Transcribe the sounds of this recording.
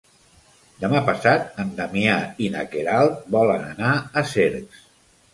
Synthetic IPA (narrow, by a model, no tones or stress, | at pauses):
d̪əmapəsat̪̚ənd̪amjainakeɾalˠt̪̚bɔləna̰naəseɾks